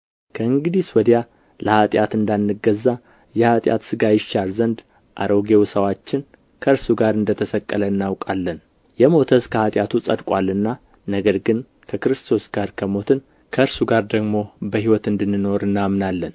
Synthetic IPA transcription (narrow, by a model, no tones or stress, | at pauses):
kʰəɨŋɡɨd̪iswɔd̪ja | ləhat̪ʼjat̪ɨnd̪anːɨɡːəzːa | jɛhat̪ʼja̰t̪sɨɡajɪʃalzənd̪ | ʔa̰ɾo̞ɡe̞wsəwat͡ʃːɪn | kʰəɨɾsuɡaɾɨnd̪ət̪ʰəsəkʼːələɨnːawkʼalːən | jɛmo̞t̪ʰəskʰəhat̪ʼjat̪ʰusʼəd̪kʷʼwalːɨnːa | nəɡəɾɡɨn | kʰəkɾɨst̪ʰo̞sɡ̥aɾkʰəmo̞t̪ʰɨn | kʰəɨɾsuɡaɾd̪əɡmo̞bəhiwɔt̪ɨnd̪ɨnːɨno̞ɾɨnːamnalːən